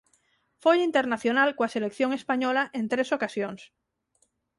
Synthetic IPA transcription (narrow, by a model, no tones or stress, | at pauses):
fojint̪eɾnaθjonalkoaselekθjoŋespaɲolaʔẽnt̪ɾesokasjoŋs